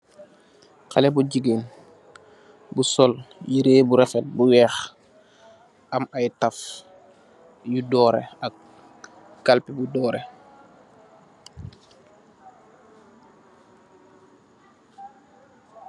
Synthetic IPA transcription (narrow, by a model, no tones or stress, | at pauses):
kalɛbuɟiɡen | busɔljiɾeːbuɾɛfɛt̚buwɛːx | ʔamajtaf | judɔːɾḛak̚ | kalpibudɔːɾḛ